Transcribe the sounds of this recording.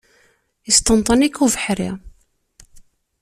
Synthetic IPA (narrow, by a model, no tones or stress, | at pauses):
ist̪ɑnt̪ˤɑnikuvəħɾḭ